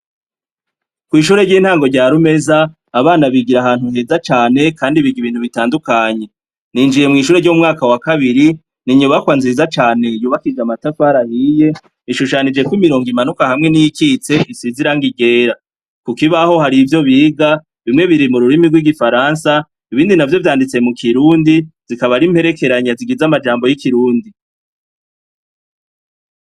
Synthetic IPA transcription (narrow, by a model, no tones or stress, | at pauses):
kwiːʃuːɾe̞ɾɟiːn̥haːŋɡo̞ɾɟaːɾume̞zaː | βaːnaβiɡiɾahaːnhuhe̞ːzat͡ʃaːne̞kaːndiβiɡiβiːn̥huβitaːndukaɲe̞ | niːnd͡ʒije̞mŋiːʃuːɾe̞ɾɟoumŋaːkawakaβiɾi | niɲuβakwanziːzat͡ʃaːne̞juːβakid͡ʒamatafaɾahije̞ | iʃuʃanid͡ʒe̞kwimiɾo̞ːŋɡimanukahamŋe̞nijikiːt͡se̞ʔisiziɾaŋɡiɡe̞ːɾa | kukiβaho̞haɾivjo̞βiːɡa | βimŋe̞βiɾimuɾuɾimiɾɡwiɡifaɾansa | iβiːndinavjo̞vjaːndit͡se̞mukʰiɾuːndiz̥ikaβaɾimhe̞ɾe̞ke̞ɾaɲaziɡizamad͡ʒaːmbo̞jikiɾuːndi